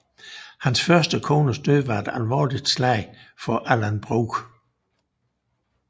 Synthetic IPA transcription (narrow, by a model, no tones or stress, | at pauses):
hænsfɶɐsd̥əkʰo̝ːnəsd̥øðʋɑ̈e̝d̥ælʋɒ̰ːlid̥slæɪ̰fɒ̽ʔælænb̥ʁuːɡ̥